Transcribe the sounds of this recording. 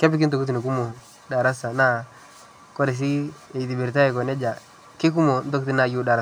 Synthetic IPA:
ke˦bɪ˦kɪ˦nto˨ku˦t̬i˨ni˨ku˦mo˨ | da˨ɾa˦sa˨na˦ | ko˦ɾɪ˨s̬i˦e˨ti˨bi˨ɾta˦ɪ˨kɔ˨ne˦d͡ʒa˨ | kɪ˦k̬u˦mo˨n̩˦to˦kti˦na˨ju˦da˨ɾa˦˨

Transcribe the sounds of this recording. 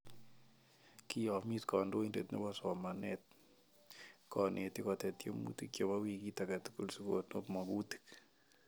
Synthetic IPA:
ki˦jɔ˨mi˦tkɔ˨ndo˦i˦nde˨t̪no̰˦bɔ˦sɔ˨ma˨nɛt̪̚ | kɔ˨nʔe˨t̪i˦kɔ˨t̪ɛ˨t̪jo̰˦mṵ˦t̪i˨kjo˨ma˦wi˦ki˦ta˨ka˨tu̥˦ku˨lsu˦kotno˦pma˨bu˦t̪i̥˨k

